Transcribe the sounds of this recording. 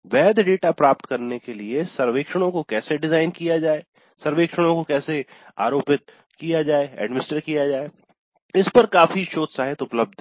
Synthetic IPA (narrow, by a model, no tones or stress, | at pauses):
ʋɛːd̪ʱɖeːʈapɾaːp̚ʈ̪kɐɾnekeliesɐɾʋeːkʃəɽ̃õkokɛːseɖɪzaːɪnkijad͡ʒaːeː | sɐɾʋeːkʃəɽ̃õkokɛːse | a̰ːɾoːpɪt̪̚ | kijad͡ʒaːeɛ̰ːɖmɪnɪsʈəɾkijad͡ʒaːe | ɪspɐɾkaːfiʃoːd̪saːɦɪt̪ʊpləb̚d̪ʱ